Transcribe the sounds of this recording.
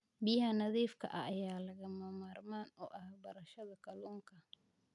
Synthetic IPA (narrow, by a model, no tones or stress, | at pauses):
bijhɐnɐðiːfkʰɐ̰ʔɐ̰ːjaːlɐɣɐmɐmaːrmaːnɔ̰ʔɐhbɐɾɐʃɐðɐkʰɐluːŋkʰɐ